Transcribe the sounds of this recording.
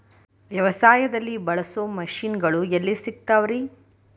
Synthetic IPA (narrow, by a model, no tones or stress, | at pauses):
ʋjɐʋɐsaːjɐd̪ɐlːibɐɭɐsoːmɐʃiːnɡɐɭuelːisik̚t̪aːʋɐɾi